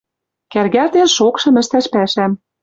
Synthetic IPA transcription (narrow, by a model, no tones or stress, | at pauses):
kærɣært̪enʃokʃɤ̆mɘ̆ʃt̪æʃpæʃæm